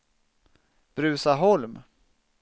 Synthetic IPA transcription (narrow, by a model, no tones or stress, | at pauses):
b̥ɾʉ̟ːsaɦɔlm